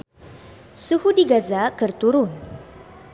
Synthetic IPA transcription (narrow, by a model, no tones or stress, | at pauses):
suhudiɡazakərt̪uɾʊn